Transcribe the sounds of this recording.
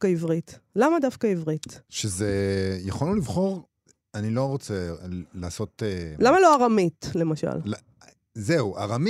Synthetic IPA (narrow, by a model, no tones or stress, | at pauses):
kaivʁitlamadafkaivʁit̪ʃezejaχollivχo̞ʁ | anilo̞ʁot͡selaːso̞telamalo̞aʁamitle̞maʃa̰l | zeuaʁam